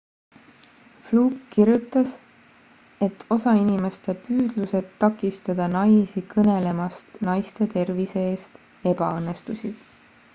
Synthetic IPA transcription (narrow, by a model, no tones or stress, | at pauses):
fluːkkirjut̪ːˑɑs | e̞t̪ːo̞sɑinʲime̞st̪e̞pyːd̪̥luse̞d̪ːɑkːˑist̪ɑd̪̥ɑnɑjsikɤne̞le̞mɑst̪nɑjst̪e̞t̪e̞rvise̞eːst̪ | e̞bɑɤnːe̞st̪usi